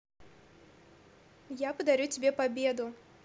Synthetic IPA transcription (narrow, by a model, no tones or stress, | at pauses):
japəd̪ɐɾʲutʲɪbʲepabʲed̪ʊ